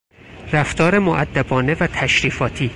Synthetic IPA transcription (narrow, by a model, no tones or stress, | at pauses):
ræft̪ɒːɾe̞moʔæd̪ːæbɒːne̞væt̪ʰæʃɾiːfɒːt̪ʰiː